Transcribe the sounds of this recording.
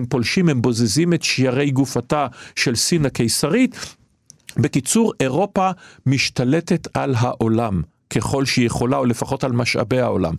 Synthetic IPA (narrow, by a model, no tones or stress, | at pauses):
mpo̞lʃimhembo̞zezimetʃjaʁe̞jɡufataʃe̞lsinakejsaʁit̪ | bekit͡suʁe̞ʁo̞pamiʃtale̞tetʰalɦaʔo̞lam | ke̞χo̞lʃijeχo̞laole̞faχo̞talmaʃa̰bejao̞̰la̰m